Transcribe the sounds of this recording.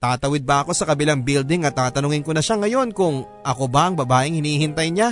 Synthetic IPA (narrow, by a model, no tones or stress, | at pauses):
t̪aːt̪ɐwɪd̪̚bɐɐko̞sɐkɐbɪlaŋbild̪ɪŋɐt̪ːaːt̪ɐnʊŋɪŋkonɐʃaŋɐjo̞nkʊŋ | ʔɐko̞bɐʔɐŋbɐbaːʔɪŋhɪniːhɪnt̪ɐjɲa